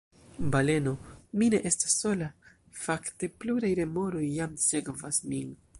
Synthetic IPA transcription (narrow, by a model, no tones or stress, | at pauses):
bale̞no̞mine̞ʔe̞stḁsːo̞la | fakte̞pluɾajɾe̞mo̞ɾo̞jːamse̞kvasmin